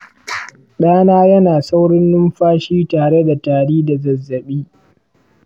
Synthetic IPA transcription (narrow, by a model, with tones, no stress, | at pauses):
ɗaː˦naː˦jɐ˦naː˨sa˦wɽɪ˦nːʊ˦mɸaː˦ʃiː˦taː˨ɽe˦da˨taː˨ɽiː˦da˨zɐ˨zːɐ˨ɓiː˦